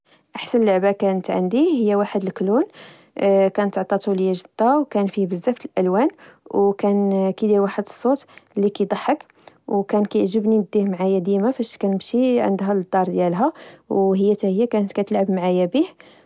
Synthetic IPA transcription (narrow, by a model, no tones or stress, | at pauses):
ʔaħsənlːəʕbakænət̪ʕə̰nd̪ihəjːæwaħəd̪əlklun | kænət̪ːʕt̪ˤɑt̪uləjːæʒəd̪̥ːɑwkænfibəzːæft̪əlʔælwænwkænkid̪iwaħəd̪əsˤːot̪lːikæjd̪ˤɑħːək | wkænkæjʕʒəbninəd̪ihmʕajæd̪imafæʃkænəmʃiʕə̰nd̪ɦæləd̪ːɑɾˤd̪jælɦæwɦəjːæt̪æhəjːækænt̪kæt̪əlʕəbmʕajæbih